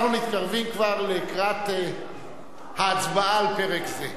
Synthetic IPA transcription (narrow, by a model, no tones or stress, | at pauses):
χnunit̪kaʁvimkvaʁlekʁat̪e | haːt͡sbaalpeʁekze